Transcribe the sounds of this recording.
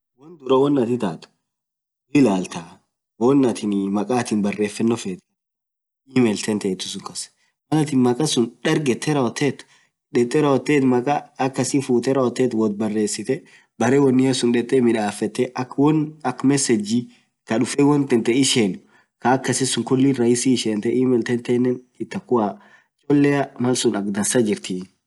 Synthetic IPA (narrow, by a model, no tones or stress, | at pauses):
wɔnd̪ʊɾɐwɔnːɐt̪ɪt̪aːt̪ʊ̥ | wɪlaːlt̪ɐ | wɔnːɐt̪ɪnmɐkʼaːt̪ɪnbɐrːe̞ːfːɛnːɔfeːt̪ | ɪːmɛlt̪ʰɛnt̪ɛːt̪ːʊsʊkʼɐs | mɐlɐt̪ɪnmɐkʼɐsʊnᶑɐɾɡɛt̪ʰːɛɾɐɔt̪ːeːt̪ | ᶑɛt̪ʼːɛɾɐɔt̪ːeːt̪mɐkʼaɐkːɐsɪfuːt̪ɛɾɐɔt̪ːeːt̪wɔt̪̚bɐrːe̞ːsːɪt̪ɛ | bɐɾewɔnːɪɐsʊnᶑɛt̪ʼːɛmɪᶑaːfɛt̪ːɛɐkwɔnɐkmɛsɛd͡ʒi | kɐᶑʊfewɔnt̪ɛnt̪ɛɪʃen | kɐːkːɐsɪsʊŋkʊlːiɾɐjɪsiːʃeːnt̪ɛʔiːmɛlt̪ɛnt̪ɛːnːɛn | ɪt̪ːɐkːʊaː | t͡ʃʼɔlːɛɐmɐlsʊnɐkd̪ɐnsɐd͡ʒɪɾt̪iːn